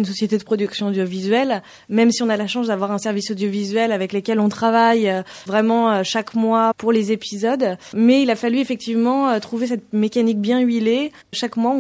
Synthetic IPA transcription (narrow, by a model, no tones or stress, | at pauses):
ynsɔsjet̪ed̪əpχɔd̪yksjɔ̃od̪jɔvizɥɛl | mɛmsiɔ̃nalaʃɑ̃sd̪avwaʁɛ̃sɛʁvisod̪jɔvizɥɛlavɛklekʲɛlɔ̃t̪χavajøvʁɛmɑ̃øʃakmwapuʁlezepizɔd̪mɛilafalyefɛk̚t̪ivmɑ̃øt̪χuves̬ɛt̪mekanik̚bjɛ̃ɥile | ʃakmwaɔ̃